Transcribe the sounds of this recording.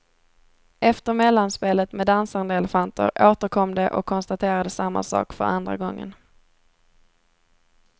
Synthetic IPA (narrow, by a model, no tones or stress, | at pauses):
ʔɛft̪əɾmɛlːanspeːlət̪mɛd̪ansand̪əɛlɛfant̪ə̰ɾʔoːt̪əɾkʰɔmd̪ɛʔɔkʰːɔnst̪at̪ʰeːɾad̪əsamːa̰sɑ̰ːkfœɾa̰nd̪ɾa̰ɡɔŋːə̰n